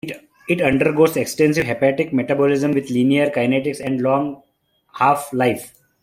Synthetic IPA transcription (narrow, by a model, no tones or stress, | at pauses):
ɪʈʌ̃ɳɖəɾɡoːzeksʈẽnsɪʋɦepæʈɪk̚meʈabɔlɪzə̃mʋɪd̪liːniəɾkaɪneʈɪksɛ̃ɳɖlɔ̃ːŋ | haːflaɪf